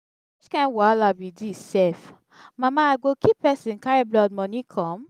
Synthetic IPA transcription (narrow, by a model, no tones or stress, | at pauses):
it͡ʃkãnwɔalabidisɛf | mãmãaɡokipɛsĩnkaɾeblɔd̚mɔ̃nĩkʰɔ̃m